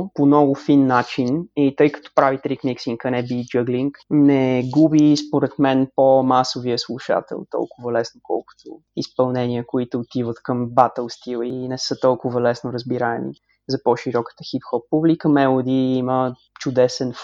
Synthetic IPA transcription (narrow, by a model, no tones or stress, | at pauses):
ponɔɡʊfinːat͡ʃinit̪ɤjkə̥t̪ɔ̥pɾavit̪ɾikniksiŋkənɛbid͡ʒɤɡliŋknɛɡubispoɾɛt̪mɛnpomasoviəslˠuʃa̰t̪ɛ̰lˠt̪ɔ̰lˠkʊvɐlɛsnokɔ̰lˠkʊ̥t̪ʰʊ | ḭspɐlˠnɛniəkoit̪ʊːt̪ivət̪kəmbat̪əlˠst̪ilˠinɛsɤt̪ɔlˠkʊvɐlɛsnoɾəzbiɾaɛm | zɐpɔʃiɾɔkə̥t̪əxit̪xɔp̚publikəmɛlˠod̪iimə | t͡ʃʊd̪ɛsɛn